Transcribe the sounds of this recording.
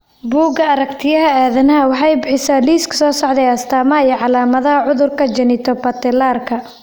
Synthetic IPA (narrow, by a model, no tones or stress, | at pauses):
buːɡɐɐɾɐkt̪ʰɪjɐɦɐaːðɐnɐɦɐwɑħɑjbɪħɪsaːliːskʰɐ̥sɔːsɔʕd̪ɛjɐst̪ʰaːmɐijɛʕɑlaːmɐðɐɦɐʕʊðʊrkʰɐd͡ʒɐnɪt̪ʰɔbɐt̪ɛlaːrkʰɐ